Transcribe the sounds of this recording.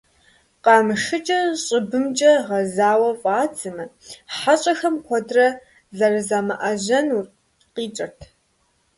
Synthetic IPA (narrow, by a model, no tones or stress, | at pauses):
qɑːmɨʂɨt͡ʃʼɐɕʼɪbɨmt͡ʃʼɐʁɐzaːwɐfʼaːt͡sʰɨmɐħaɕʼɐxɐmkʷʰɔdrɐ | zɐrɨzaːmɐ̰ʔɐʑɐnu | qiːt͡ʃʼɐrtʰ